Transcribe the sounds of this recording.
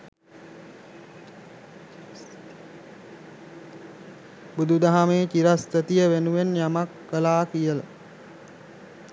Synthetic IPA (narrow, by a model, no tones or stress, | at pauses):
bud̪ud̪aɦameːkiɾast̪ət̪ijəʋenuʋenjamakʋəlaːkijəla̰